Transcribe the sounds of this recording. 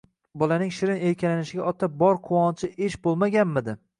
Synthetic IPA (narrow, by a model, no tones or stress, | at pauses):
bɒlanɪŋʃɪɾɪnejkʲʰalanɪʃɪɡʲaʔɒt̪ʰːabɒɾqʰʊwɒnt͡ʃʰɪʔeʃbolˠmaɡʲanmɪd̪ɪ